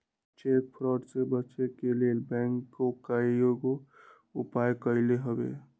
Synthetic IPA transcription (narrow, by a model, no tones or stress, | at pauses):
t͡ʃek̚pʰɾɔʈsebətːt͡ʃekelelbɛ̃ŋkːokajoɡo | upajkəɪleɦəbḛ